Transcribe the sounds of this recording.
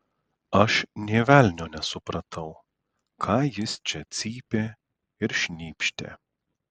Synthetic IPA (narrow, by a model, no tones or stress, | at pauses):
ɐʃnʲeːʋʲælʲnʲoːnʲɛsʊpɾɐt̪ʰɐʊ | kʰɑːjɪst͡ʃʲɛt̪sʲiːpʲeː | ɪɾʃʲnʲiːpʲʃʲt̪ʲḛː